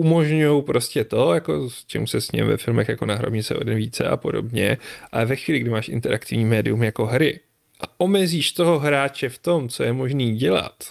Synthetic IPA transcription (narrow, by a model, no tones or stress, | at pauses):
umo̞ʒɲujowpɾo̞scɛt̪o̞jako̞st͡ʃʰɛ̰musɛsɲɛ̰mvɛ̰fɪlmɛxjakonaɦɾo̰bɲɪt͡sɛ̰ʔo̰dɛnviːt͡sɛ̰ʔa̰po̞do̰bɲɛ̰ʔalɛvɛxviːlɪɡdɪmaːʃʔɪ̰nt̪ɛɾʔakt̪ɪvɲiːmɛːdɪ̰umjako̞ɦɾɪ | ʔa̰ʔo̞mɛziːʃt̪o̞ɦo̞ɦɾaːt͡ʃɛft̪o̞mt͡so̞jɛmo̞ʒniːɟɛla̰t̪